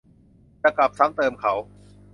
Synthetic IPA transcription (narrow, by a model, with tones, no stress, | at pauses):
t͡ɕa˧kla˨˩p̚sa˦˥ŋt̪ɤː˧mkʰa˦˥w